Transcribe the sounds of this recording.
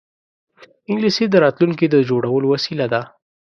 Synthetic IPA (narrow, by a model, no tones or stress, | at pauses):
ɪŋɡlised̪əɾɑt̪luŋkid̪əd͡ʒoɽawəlowasilad̪a